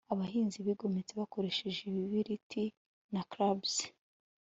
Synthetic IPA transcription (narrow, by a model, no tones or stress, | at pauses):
aβahiːnziβiɡo̞met͡se̞βako̞ɾe̞ʃeʒiβiβiɾiti | nakɾabz̥